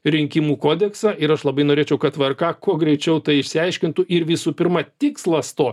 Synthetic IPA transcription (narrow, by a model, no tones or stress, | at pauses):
ɾʲɪŋʲkʲɪmuːkoːd̪ʲɛksɑːʔɪɾɐʃlˠɐbɐɪnoːɾʲeːt͡ʃʲɛʊkɐt̪ʋɐrkɑːkuɔɡɾʲɛɪt͡ʃʲɛʊt̪ɐɪɪʃʲsʲɪɛɪʃʲkʲɪnt̪ʊʔɪɾʋʲɪsuːpʲɪɾmɑt̪ʲɪkslˠɐst̪oː